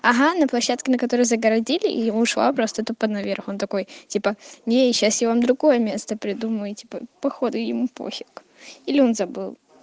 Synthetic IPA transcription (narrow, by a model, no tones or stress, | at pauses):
ɐɦanəplˠɐɕːat̪kʲɪnəkɐt̪o̞ɾəjzəɡəɾɐdʲilʲɪ̰ʔjɪmuʂlˠa̰pɾost̪ət̪upəd̪nɐvʲerxo̞nt̪ɐko̞jtʲipənʲeɕːasjʲavamd̪ɾʊɡo̞jəmʲe̞st̪əpɾʲɪd̪uməjʊtʲi̥pə̰pɐxo̞d̪ɨjɪmupo̰xʲɪk | ilʲɪo̞nzɐbɨlˠ